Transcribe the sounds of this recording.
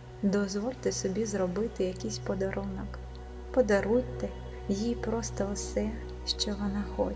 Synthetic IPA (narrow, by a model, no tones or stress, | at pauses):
d̪ɔzʋɔlʲt̪ɪsɔbʲizɾɔbɪt̪ɪjɐkʲijsʲpɔd̪ɐɾunɔk | pɔd̪ɐɾujʲt̪ːɛ | jipɾɔst̪ɔʊsɛ | ʃt͡ʃɔʋɔnɑxɔ̰t͡ʃ